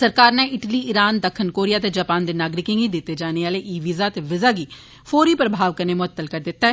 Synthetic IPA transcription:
səɾkaːɾnɛ̃ɪʈliːɪɾaːnd̪əkʰːənkoːɾɪjaːt̪ed͡ʒaːpaːnd̪eːnaːɡɾɪkɪ̃ŋɡid̪ɪt̪ːed͡ʒaːneaːleʔiːʋizaːt̪eʋɪzaːɡiː | fʰoːɾiːpɾəbʱaːʋkəɾneːmʊət̪ːəlkəɾd̪ɪt̪ːaɛ

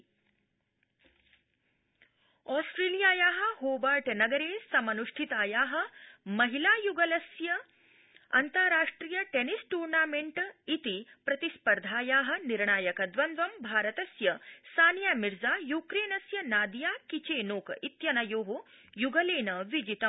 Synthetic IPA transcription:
ɔːsʈɾeːlijaːjaːɦɐ̆ɦoːbaːʈnɐɡɐɾeːsɐmɐnuʂʈʰit̪aːjaːɦɐ̆mɐɦilaːjuɡɐlɐsjɐ | ɐ̰nt̪ɐɾaːʂʈɾiːjɐʈenisʈuːɾnaːmeɳʈit̪ipɾɐt̪ispɐɾd̪ʱaːjaːɦɐ̆niɾɳaːjɐkɐd̪ʋɐnd̪ʋɐmbʱaːɾɐt̪ɐsjɐsaːnjaːmiɾd͡zaːjuːkɾeːnɐsjɐnaːd̪jaːkit͡ʃeːnoːkit̪jɐnɐjoːɦo | juɡɐleːnɐʋid͡ʒit̪ɐm

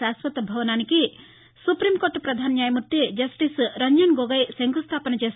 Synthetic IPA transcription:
aswɐt̪bʱɐʋnaniki | supɾimkoʈpɾɐd̪ʱanjajmut̪ːed͡ʒɐsʈisɾɐɲd͡ʒɐnɡoɡəjseŋɡust̪ʰaːpənɐt͡ʃes

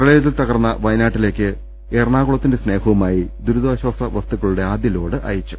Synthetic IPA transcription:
prɐɭeːðilt̪ɐɣɐrnːɐʋɐjnaːʈːile̞ːkʲːɨ | e̞ːrɳaːɣuɭɐt̪ːinde̞sne̞ːhɐʋɐmaːjid̪uɾud̪aːɕwaːsɐʋɐst̪uɣɐɭuɽe̞aːd̪jɐlo̞ːɽɨʔɐ̰jɐt͡ɕːu̥

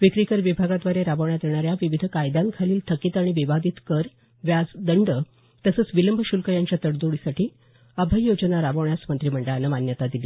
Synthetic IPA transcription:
ʋikɾikəɾʋibʱaɡat̪ʋaɾeɾabəʋɳjat̪eɳ̃aɾjaʋiʋid̪ʱkajd̪aŋkʰaliːlt̪ʰəkiːt̪aɽ̃iʋiʋad̪it̪kəɾ | ʋjad͡zd̪əɳɖə | t̪əsət͡sʋiləmbʱəɕulkəjaɲt͡ɕjat̪əɽd̪uɽisaʈʰiː | əbʱəjːod͡ʑənaɾabəʋɳjasmənt̪ɾim̤əɳɖəɭanəmanjət̪ad̪iliː

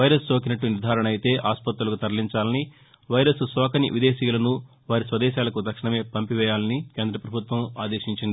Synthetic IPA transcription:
ʋɐjɾɐst͡ʃo̞ːkinɐʈːuniɾd̪ʱaːɾɐɳɐjit̪e̞ːʔaːspɐt̪ɾulukut̪ɐɾliɲt͡ʃaːlɐni | ʋɐjɾɐssɔːkɐnḭʋid̪eːʃiːlɐnu | ʋaːɾisʋɐd̪ɛːʃaːlɐkut̪ɐkʂɐɳɐme̞ːpɐmpiʋɛːjaːlɐnikeːnd̪ɾɐpɾɐbʱut̪ʋɐmaːd̪eːʃiɲt͡ʃind̪i

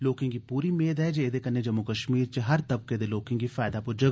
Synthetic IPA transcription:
loːkɪ̃ŋɡkipuːɾimeːd̪ɦɛd͡ʒeeːd̪ekɐnːed͡ʒɐmːukɐʃmiːɾt͡ʃeɦɐɾt̪ɐb̚ked̪eloːkɪ̃ŋɡifaːjd̪apʊɾd͡ʒɐ

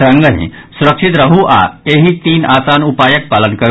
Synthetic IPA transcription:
ɾə̃ŋɡəɦḭ̃ | suɾəkʂit̪ɾəɦuʔa̰eɦit̪iːnasanupajək̚palənkəɾ

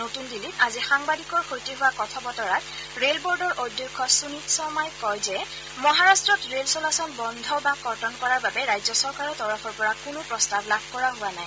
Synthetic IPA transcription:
notundilitazixaŋbadikɔɹxojtiɦʊwakɔtʰɔbɔtɔɹat | ɹelbɔɹdɔɹʔojdjɔkʰːɔsunitsɔmajkɔjzɛ | mɔɦaɹastɹɔtɹelsɔlasɔnbɔndʱɔbakɔɹtɔnkɔɹaɹbabɛɹajzɔsɔɹkaɹɔtɔɹɔpʰɔɹpɔɹakʊnʊpɹɔstablab̚ʱkɔɹaɦʊanaj

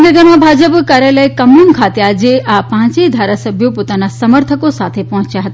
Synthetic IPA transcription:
ɡəɡəɾmãbʱad͡ʒəpkaɾjaləjkəmuŋkʰat̪ead͡ʒeʔapãːt͡ʃed̪ʱaɾasəbʱjopot̪anasəməɾt̪ʰəkosat̪ʰepɔɦɔ̃t͡ʃjaɦət̪a

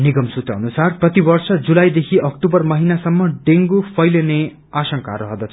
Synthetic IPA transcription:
niɡʌmsut̪ʌɦʌnusarprʌt̪ibʌrsʌd͡zulajd̪ekʰiʔʌk̚ʈubʌrmʌɦinasʌmːʌɖeŋɡupʰʌjlene | asʌŋka̰ɾʌɦʌd̪at͡sʰ

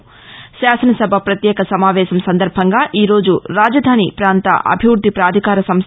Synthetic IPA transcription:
ʃaːsɐnɐsɐbʱɐpɾɐt̪jɛːkɐsɐmaːʋɛːʃɐmsɐnd̪ɐɾbʱɐŋɡaːʔiːɾo̞ːd͡ʒuɾaːd͡ʒɐd̪ʱaːnipɾaːnt̪ɐ̰ʔɐ̰bʱiʋɾud̪ʱːipɾaːd̪ʱikaːɾɐsɐms

